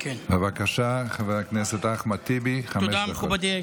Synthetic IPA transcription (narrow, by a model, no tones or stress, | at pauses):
kebevakaʃaχaveaknɛset̪aχmat̪ibiχaɛdamubad̪i